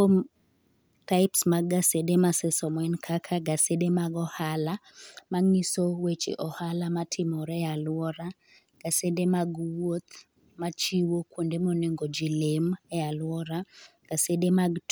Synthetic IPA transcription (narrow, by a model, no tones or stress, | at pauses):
om | taɪpsmaɡasedemasɛsɔmwɛnkʰakʰaɡasedemaɡɔhala | maŋisowet͡ʃḛʔɔhalamatʰɪmɔɾɛjalwɔɾa | ɡ̥asedemaɡwot̪ | mat͡ʃiwokwondemoneŋɡod͡ʒilemɛalwɔɾaɡ̥asedemaɡt